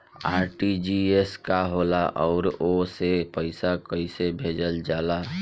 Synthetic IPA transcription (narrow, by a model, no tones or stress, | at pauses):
aːɾʈid͡ʒieskaɦolaʔɔʊɾosepəɪsakəɪsebʱed͡ʒəld͡ʒaːla